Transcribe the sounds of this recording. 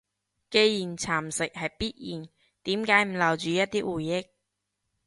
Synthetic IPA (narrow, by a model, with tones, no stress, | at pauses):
ke˧jjiː˨˩nt͡sʰaː˨˩msɪ˨k̚hɐ˨jpiː˥t̚jiː˨˩n | t̪iː˨˥mkaː˨˥jm̩˨˩lɐ˨˩wt͡ʃyː˨jɐ˥t̚t̪iː˥wuː˨˩jːɪ˥k̚